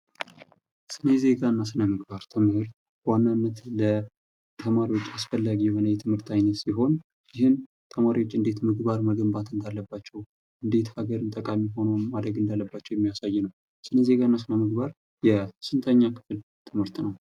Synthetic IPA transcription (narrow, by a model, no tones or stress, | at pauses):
sɨneze̞ɡaɨnːasɨnəmɨɡbaɾt̪ʰɨmhɨɾt̪ | wanːanːət̪lə | t̪ʰəmaɾiwo̞t͡ʃːasfəlːaɡijɛho̞nəjɛt̪ʰɨmhɨɾt̪ʰajnət̪siɦo̞n | jɪhɨn | t̪ʰəmaɾiwo̞t͡ʃːɨnd̪e̞t̪mɨɡbaɾməɡəmbat̪ɨnd̪alːəbːat͡ʃːɛw | ʔɨnd̪e̞t̪haɡəɾɨnt̪ʼəkʼamiɦo̞nəwmad̪ɾəɡɨnd̪alːəbːat͡ʃːɛwjɛmːijasajːɛnəw | sɨneze̞ɡaɨnːasɨnəmɨɡbaɾ | jɛsɨnt̪ʰəɲːakʰɨ̥fl | t̪ʰɨmhɨɾt̪nəw